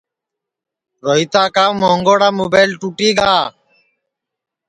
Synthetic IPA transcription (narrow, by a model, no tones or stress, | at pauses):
ɾoːɦiːt̪aːkaːwmoːŋɡoːɽaːmoːbaːlʈuːʈiːɡaː